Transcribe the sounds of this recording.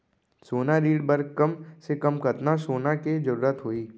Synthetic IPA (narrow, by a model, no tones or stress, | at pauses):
soːnaɾiːɖbɐɾkɐmsekɐmkɐt̪nasoːnaked͡ʒɐɾuːɾət̪ɦoiː